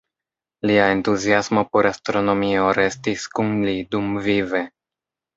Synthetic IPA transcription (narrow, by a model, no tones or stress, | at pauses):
liae̞ntuziasmo̞po̞ɾastɾo̞no̞mio̞ɾe̞stiskunlidumvive̞